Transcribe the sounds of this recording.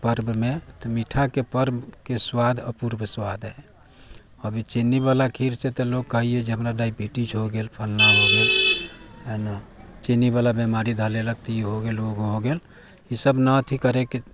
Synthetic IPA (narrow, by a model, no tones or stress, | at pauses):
pəɾbmet̪ɔmiʈʰakepəɾbkeswad̪ʱə̰puɾbəswad̪ɦɛ | əbʱit͡ʃenibalakʰiɾset̪ɔloɡ̚kəɦied͡ʒeɦəmɾaɖaibiʈit͡ʃɦoɡelpʰəlnaɦoɡel | enat͡ʃenibalabemaɾid̪ʱəleləɡt̪iɦoɡeloɡɦoɡel | isəbnət̪ʰikəɾeke